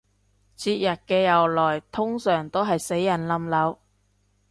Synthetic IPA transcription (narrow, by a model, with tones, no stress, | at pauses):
t͡sʰiː˧t̚jɐ˨t̚kɛː˧jɐ˨˩wlɔː˨˩jt̪ʰʊ˥ŋsœː˨˩ŋt̪o˥wɦɐ˨jse˨˥jːɐ˨˩nlɐ˨˧mlɐ˨˧w